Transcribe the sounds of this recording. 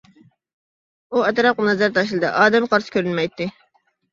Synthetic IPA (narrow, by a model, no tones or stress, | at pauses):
uɛt̪ɾɑp̚qənɛzæɾt̪ʰɑʃ̬lˠɨd̪ɑ̰ʔɑːd̪ɛmqʰɑɾsɨ̥kʲøɾynmɛjt̪ʰːɪ